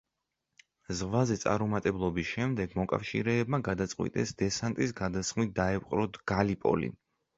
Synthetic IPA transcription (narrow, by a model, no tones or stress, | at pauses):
zʁvazɛt̪sʼa̰ɾumat̪ʼɛblˠɔbisʃɛmd̪ɛɡmɔkʼa̰fʃḭɾɛːbmaɡad̪at̪sʼqʼwḭt̪ʼɛsd̪ɛsant̪ʼisɡad̪asχmit̪̚d̪aɛpʼqʼɾɔd̪ɡ̥alipʼɔ̰lḭ